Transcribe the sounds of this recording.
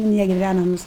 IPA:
nʲɛɡʲɪˈʋʲænɐmʊs

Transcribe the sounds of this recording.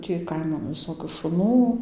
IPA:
tʲiː ˈkɐɪmɐn ʋʲɪˈsoːkʲuː ʃʊˈnuː

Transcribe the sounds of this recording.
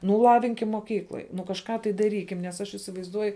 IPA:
ˈnʊ ˈlˠɑːʋʲɪŋʲkʲɪm moːˈkʲiːklˠoːj nʊ kɐʃˈkɑː tɐɪ dɐˈrʲiːkʲɪm nʲɛs ˈɐʃ iːsʲɪʋɐɪzˈduɔjʊ

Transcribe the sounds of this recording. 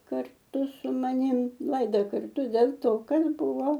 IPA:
kɐrˈtʊ sʊ mɐˈnʲɪm ˈlˠɐɪdɐ kɐrˈtʊ dʲɛlʲ ˈtoː ˈkɐt ˈbʊʋoː

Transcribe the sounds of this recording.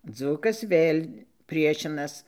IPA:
ˈd͡zuːkɐs ˈʋʲeːlʲ ˈpʲrʲiɛʃʲɪnɐs

